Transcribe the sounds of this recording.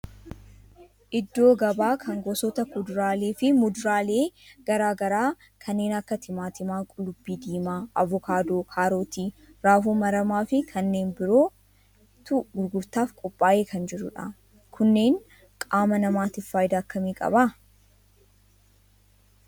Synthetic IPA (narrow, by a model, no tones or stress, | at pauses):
ʔɪd̪ːo̞ːɡɐbaːkʰɐŋɡɔsɔt̪ɐkʊd̪ʊɾaːleːfɪmʊd̪ʊɾaːle̞ːɡ̥ɐɾaːɡɐɾaː | kʰɐnːe̞ːnɐkːɐt̪ʰɪmaːt̪ɪmaːkʼʊlʊbːiːd̪iːmaːɐvɔkaːd̪oːkʰaːɾoːt̪iːɾaːfuːmɐɾɐmaːfɪkʰɐnːe̞ːnbɪɾo̞ː | t̪ʊɡʊɾɡʊɾt̪aːfkʼɔpʼːaːjʔe̞ːkʰɐnd͡ʒɪɾʊ̰ᶑɐ̰ | kʰʊnːe̞ːŋ | kʼaːmɐnɐmaːt̪ɪfːaːjd̪ɐːkːɐmiːkʼɐ̰ba